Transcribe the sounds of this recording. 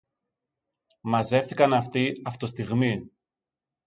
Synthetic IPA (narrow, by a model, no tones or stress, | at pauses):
mɐze̞fθikɐnɐft̪iɐft̪ost̪iɣmi